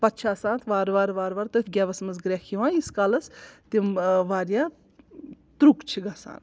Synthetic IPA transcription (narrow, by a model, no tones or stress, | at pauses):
pɐt̪t͡ʃʰaːsãːnt̪ʰʋaːɾʋaːɾʋaːɾʋaːɾt̪ɐfʲɡʲɛːʋɐsmɐzɡɾʲɛkʰiʋãːiskaːlɐst̪imʋaːɾjaː | t̪ɾukt͡ʃʰiɡasa̰ːn